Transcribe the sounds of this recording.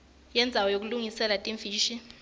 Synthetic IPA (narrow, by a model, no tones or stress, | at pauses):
jɛnd͡zʱawɔjok̬uluŋisɛlatʼiɱfiːʃi